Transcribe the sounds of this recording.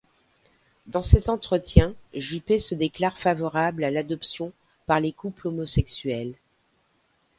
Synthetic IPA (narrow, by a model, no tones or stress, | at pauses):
d̪ɑ̃sɛt̪ɑ̃t̪χət̪jɛ̃ʒypesəd̪eklaʁfavɔʁablalad̪ɔpsjɔ̃ | paʁlekuplomɔsɛksɥɛl